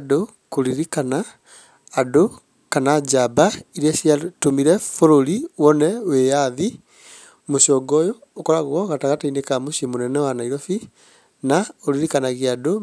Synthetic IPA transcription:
do | koliɾikanaː | do | kanad͡ʒabaiɾiasiatomiɾɛfoɾoliwɔnɛwejaði | moʃɔɡɔjɔːkɔɾaɣɣɔɣataɣatainekamuʃimonɛnɛwanaiɾofi | naoɾiɾikanaɣiado

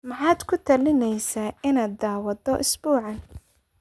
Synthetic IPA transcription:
mɐħɑːd̪kʰʊt̪ʰɐlɪnɛjsaːɪnaːd̪aːwɐd̪ɔʔɪsbuːʕɑn

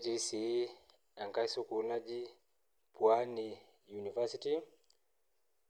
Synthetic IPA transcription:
tisi | aŋkaisukulaʄi | pwani | junivasiti

